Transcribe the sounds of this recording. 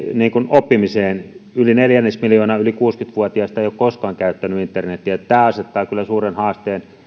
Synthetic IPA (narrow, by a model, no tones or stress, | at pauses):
niːŋkunopːimiseːnylineljænːesmiljoːnɑːylikuːskyt̪ʋuɑt̪iɑst̪æeijoˑkkoskɑːŋkæyt̪ːænyint̪ːernet̪ːiet̪t̪æːɑset̪ːɑːkylːˑæsuːrenhɑːst̪eːn